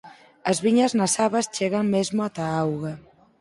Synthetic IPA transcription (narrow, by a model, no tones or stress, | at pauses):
ɐzβiɲɐznasaβɐst͡ʃeɣaŋmezmoat̪aawɣa